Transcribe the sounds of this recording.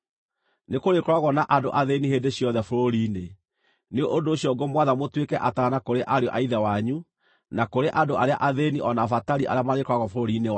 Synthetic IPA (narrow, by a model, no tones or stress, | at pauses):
nekoɾekɾwaɣɔnaʔadoʔaðeniheːdeɕjɔðɛfoɾoɾiːne | neoʔondoːɕiɔɡomwaðamotwekɛʔataːnakoɾeʔaɾeɔʔaiðawaɲu | nakoɾeʔandoaɾeaʔaðeniʔɔnafataɾiʔa̰ɾeamaɾekaɣɔfoɾoɾine